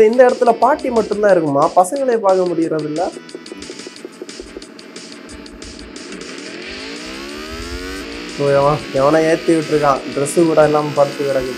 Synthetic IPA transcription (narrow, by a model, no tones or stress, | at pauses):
ɪnd̪ɐɪɽɐt̪ːɪlɐpaːʈːimɐʈːɯnt̪ãːɪɾɯkːɯmːaːpɐsɐŋɡɐɭeːpaːɾkɐmʊɽɪjɪɾɐðɪlːɐ | soːɛʋɐ̃ɛʋɐnãːeːɾt̪ːiʋɪʈːɪɾɯkːãːɖɾɛsɯkuːɽɐɛlːaːmpɐɽt̪ːɯʋɪɽakɪ